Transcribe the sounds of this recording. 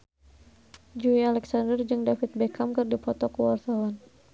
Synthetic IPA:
d͡ʒuialɛksandərd͡ʒɨŋdafit̪̚bɛkamkɨrdipɔt̪ɔkəwart̪awan

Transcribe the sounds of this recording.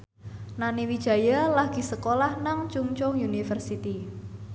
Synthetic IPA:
naniwid̥ʒ̥a̤jalaɡ̥i̤səkolahnaŋt͡ʃuŋt͡ʃʊŋjunifərsit̪i

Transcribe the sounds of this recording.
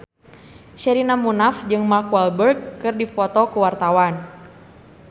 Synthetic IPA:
ʃɛɾinamunafd͡ʒɨŋmarkwalbərɡːɨrdifɔt̪ɔkuwart̪awan

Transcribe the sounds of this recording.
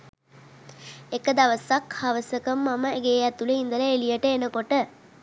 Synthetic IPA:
ekəd̪aʋəsakhaʋəsəkəmːaməeɡeːjæt̪uleind̪ələelijəʈəenəkoʈə

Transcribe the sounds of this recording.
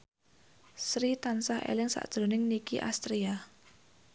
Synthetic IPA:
sɾit̪ansahḛlɪŋsa̰ʔd̥ʒ̥ɾo̤nɪŋnikiʔa̰st̪ɾia

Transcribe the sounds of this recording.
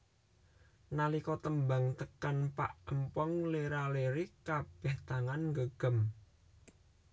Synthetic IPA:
nalikɔt̪əmbaŋt̪əkanpa̰ʔəmpɔŋleɾaleɾikab̥ɛ̤ht̪aŋanŋɡəɡ̥ə̤m

